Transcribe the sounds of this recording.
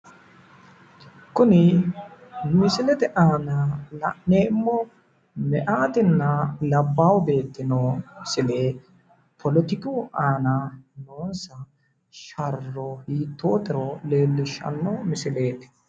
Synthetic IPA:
kʊnɪ | mɪsɪlɛt̪ɛʔaːnɐlɐ̰ʔneːɪmːɔ | mɛʔaːt̪ɪnːɐlɐbːawbe̞ːt̪ːɪnɔɪsɪleː | pʰɔlɔt̪ɪkuʔaːnɐnoːnsɐ | ʃɐrːɔhiːt̪ːoːt̪ɛɾole̞ːlːɪʃːɐ̰nːɔmɪsɪleːt̪ɛ̥

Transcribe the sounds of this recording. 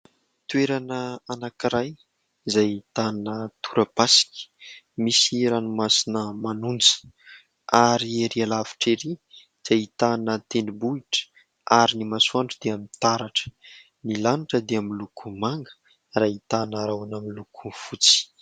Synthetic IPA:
t̪uweɾanəanakiɾaj | zajit̪anət̪uɾəpasi̥kʲi̥ | misiɾanumasinəmanund͡zi̥ | aɾieɾialavi̥ʈ͡ʂeɾi | z̥ait̪anət̪enibuiʈ͡ʂə̥ | aɾinimasuaɳʈ͡ʂd̪eamint̪aɾaʈ͡ʂə̥ | nilaniʈ͡ʂəd̪eamilukʰumaŋɡə̥ | rait̪anəɾawanaminlukʰufut͡si̥

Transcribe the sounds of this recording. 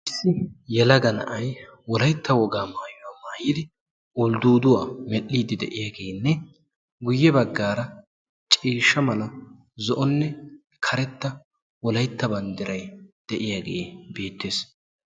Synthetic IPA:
ʔɪsːɪjɛlɐɡɐnɐ̰ʔɐjwɔlɐjt̪ʰːɐwɔɡaːmaːjʊwaːmaːjiːd̪ɪ | ʔʊld̪uːd̪ʊwaːmɛʔːiːd̪ɪd̪ɛʔɪjaːɡe̞ːnːɛ | ɡʊjːɛbɐɡːaːɾɐ | t͡ʃʼiːʃːɐmɐlɐ | zɔʔɔnːɛ | kʰɐɾɛt̪ːɐ | wɔlɐjt̪ːɐbɐnd̪ɪɾɐjd̪̥ɛʔɪjaːɡe̞̰ːbe̞ːt̪ːeːs

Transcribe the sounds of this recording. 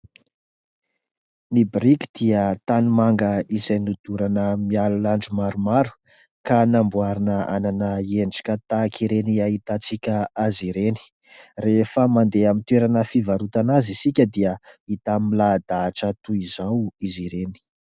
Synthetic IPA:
nibɾiki̥d̪̥iət̪animaŋɡəizajnud̪uɾanəmialulaɳɖ͡ʐumaɾumaɾu̥ | kanambuaɾinəa̰nanəieɳɖ͡ʐḁkʲət̪akʰiɾeniait̪at͡sikʲəaziɾeni̥ | refəmand̪eamint̪weɾanəfivaɾut̪anazisikʲəd̪iəit̪ammilad̪aːʈ͡ʂət̪uizawiziɾeni̥

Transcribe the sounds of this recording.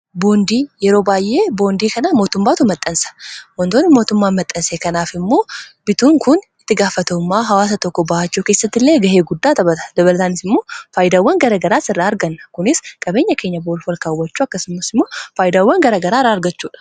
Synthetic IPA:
bo̞ːnd̪iːjɛɾo̞ːbaːjʔːe̞ːbo̞ːnd̪iːkɐnamo̞ːt̪ʊmːaːt̪ʊmɐt̪ʼːɐnsɐ̥wɔnt̪oːnːɪmo̞ːt̪ʊmːaːnmɐt̪ʼːɐnseːkɐnaːfɪmːo̞ːbɪt̪uːŋkʊnɪt̪ːɪɡaːfːɐt̪ɐʊmːaːɦɐwaːs̬ɐt̪ɔkːɔbaat͡ʃːuke̞ːsːɐt̪ːɪlːeːɡɐɦe̞ːɡʊd̪ːaːt̪ɐbɐt̪ɐ̥d̪ɐβɐlɐt̪aːnɪsɪmːo̞ːfaːjd̪aːwːɐŋɡɐɾɐɡɐɾaːsɪrːaːɐɾɡɐnːɐkʊnɪskʼɐbe̞ːɲːɐke̞ːɲːɐboːɾfɔlkaːwːɐt͡ʃːuːɐkːɐsɪmːɐsɪmːo̞ːfaːjd̪aːwːɐŋɡɐɾɐɡɐɾaːɾaːɐɾɡɐt͡ʃːuːᶑɐ̥

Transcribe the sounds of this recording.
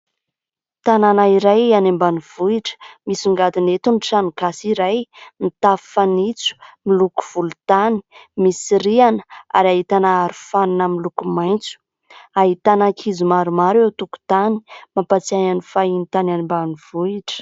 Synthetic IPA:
t̪ananaiɾajanembaniv̥uiʈ͡ʂə̥misiŋɡad̪inet̪unʈ͡ʂanikasiɾajnit̪afi̥fanit͡su̥miluku̥v̥ulut̪ani̥misiɾianə̥a̰ɾaɦit̪anaaɾufaninamilukumajnt͡su̥ | aɦit̪anakʰizumaɾumaɾewt̪uku̥t̪animapat͡siajanifainit̪ananmbanivuiʈ͡ʂə̥

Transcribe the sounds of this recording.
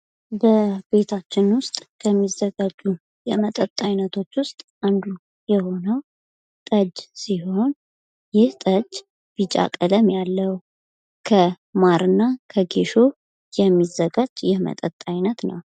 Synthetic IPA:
bəbe̞t̪ʰat͡ʃːɪnwʊst̪ʼkʰəmːizːəɡad͡ʒu | jɛmət̪ʼət̪ʼːajnət̪ʰo̞t͡ʃːwʊst̪ʼʔand̪u | jɛho̞nəw | t̪ʼəd͡ʒsiho̞n | jɪht̪ʼəd͡ʒ | b̥it͡ʃʼa̰kʼələmjalːəw | kʰə | maɾɨnːakʰəɡeʃo̞ | jɛmːizːəɡad͡ʒjɛmə̰t̪ʼət̪ʼːajnət̪nə̰w

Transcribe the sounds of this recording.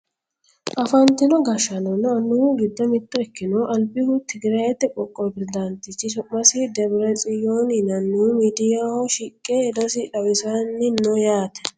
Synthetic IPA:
ʔɐfɐnt̪ɪnɔɡɐʃɐnɔnːɔɐnuɡɪd̪ːɔmɪt̪ːɔɛkːɪnɔʔɐlbɪhʊt̪ɪɡɪɾɐɛt̪ːɛkʼɔkʼːɔbɪɾd̪ant̪ɪt͡ʃːɪsʊmːɐsɪd̪ɛbɾɛt͡sʼɪjoːnɪnɐnːuːmiːd̪ɪjahɔʃɪkʼːeɛd̪ɔsɪᶑɐwɪsɐnːɪnːɔjaːt̪ɛ̥

